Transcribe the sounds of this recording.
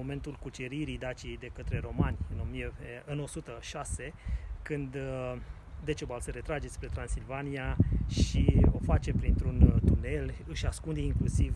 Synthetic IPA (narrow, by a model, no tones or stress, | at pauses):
ome̞nt̪ulkut͡ʃeɾiɾid̪at͡ʃijd̪e̞kət̪ɾe̞ɾo̞manʲɨno̞mijeɨno̞sut̪əʃase̞kɨnd̪ | d̪et͡ʃebalsəɾe̞t̪ɾad͡ʒe̞spɾe̞t̪ɾansilvaniaʃio̞fat͡ʃe̞pɾint̪ɾunt̪une̞lɨʃaskund̪eiŋklusiv